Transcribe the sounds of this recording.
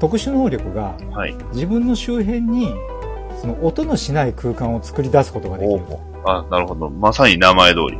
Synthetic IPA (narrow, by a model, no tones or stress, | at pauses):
t̪o̞kɯ̟ɕɨnoːɾʲo̞kɯ̟ɡa̰ | haḭ | d͡ʑibɯ̟̃nːo̞ɕɨːɦẽ̞ɲ̟ːi | so̞no̞ʔot̪o̞no̞ɕinaikɯ̟ːkãɰ̃o̞t͡sɨ̥kɯ̟ɾʲid̪asɨ̥ko̞t̪o̞ɡad̪kː | anaɾɯ̟ho̞d̪o̞masaɲinamae̞d̪o̞̰ːɾʲḭ